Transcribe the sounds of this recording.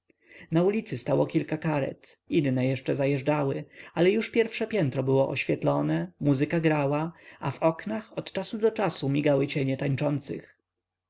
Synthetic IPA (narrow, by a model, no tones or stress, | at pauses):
naulʲit̪sɘst̪awɔkʲilkakaɾɛ̰t̪inːɛjɛʂt͡ʂɛzajɛʐɖawɘalɛjuʂpʲjɛɾfʂɛpʲjɛnt̪ɾɔbɘwɔʔɔ̰ɕfʲjɛt̪lɔnɛmuzɨkaɡɾawaavɔknaxɔt̪t͡ʂasud̪ɔt͡ʂasumʲiɡawɘt͡ɕɛɲɛt̪aɲt͡ʂɔnt̪sɘ̰x